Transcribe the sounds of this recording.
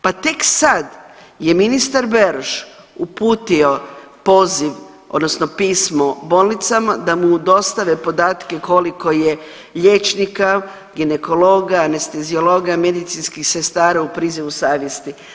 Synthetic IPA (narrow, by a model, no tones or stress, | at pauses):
pat̪e̞ksad̪je̞minist̪aɾbeɾoʃ | upuːt̪io̞po̞ːziʋ | od̪no̞sno̞piːsmobo̞ːlnit̪samad̪amud̪o̞st̪aʋepo̞d̪aːt̪keko̞liko̞je | ʎe̞t͡ʃnika | ɡineko̞lo̞ɡaːnest̪e̞ziolo̞ɡame̞d̪it̪sinskixse̞st̪aːɾaupɾiːziʋusaːʋjest̪i